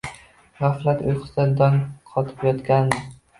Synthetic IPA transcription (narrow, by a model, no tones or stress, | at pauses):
ʁɑfɾat̪ʊjqʰɨ̥sand̪anqʰɒt̪ʰɪ̥pjɒt̪kʲand̪ɪ